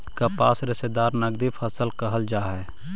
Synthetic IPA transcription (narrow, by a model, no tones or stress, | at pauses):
kɐpaːsɾɪsed̪aːɾnɐɡd̪ipʰəsəlkəɦəld͡ʒaːɦɛː